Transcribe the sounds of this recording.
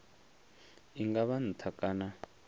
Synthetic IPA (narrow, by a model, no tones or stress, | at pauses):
iŋɡaβan̩tʰakaːna